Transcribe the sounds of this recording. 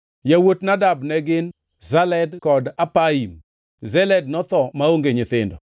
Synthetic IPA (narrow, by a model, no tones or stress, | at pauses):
jawotnadabnɛɡɪn | zalɛdkɔdapaim | zɛlɛd̚nɔt̪ɔmaoŋɡeɲɪt̪ɪndɔ